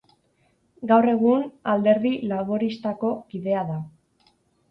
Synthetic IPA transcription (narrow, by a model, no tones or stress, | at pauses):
ɡawre̞ɣ̞unald̪e̞ɾðilaβo̞ɾist̪ako̞kiðe̞aða